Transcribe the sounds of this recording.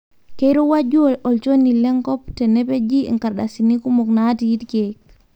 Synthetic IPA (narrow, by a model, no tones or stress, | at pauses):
kejɾɔwad͡ʒuɔɔlt͡ʃonilɛŋkɔp̚tɛnɛped͡ʒḭŋkaɾɗasinikumɔknatijitkɛk̚